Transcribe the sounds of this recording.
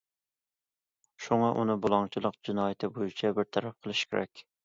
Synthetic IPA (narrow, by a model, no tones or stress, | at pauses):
ʃuŋɑʔunɨbolˠɑŋt͡ʃʰɪlˠəqd͡ʒɪnɑːjɪt̪ʰɪbojit͡ʃʰɛbɪɾt̪ʰɑɾɑp̚qʰəlˠɨʃkʲeɾɛ̰kʲ